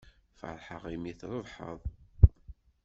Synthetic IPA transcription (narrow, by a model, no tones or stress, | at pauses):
fə̰ɾˤħəʁimiθɾˤəðˤħə̰ðˤ